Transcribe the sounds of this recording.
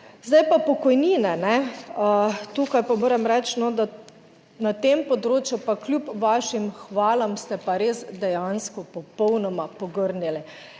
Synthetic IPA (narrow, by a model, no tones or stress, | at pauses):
zd̪ajpapɔkɔjniːnɛnɛ | t̪uːkajpamoːɾɛmɾɛt͡ʃnɔd̪a | nat̪eːmpɔd̪ɾoːt͡ʃjupaklʲjupʋaːʃimxʋaːlɔmst̪ɛpaɾeːsd̪ɛjanskɔpɔpɔwnɔmapɔɡəɾnili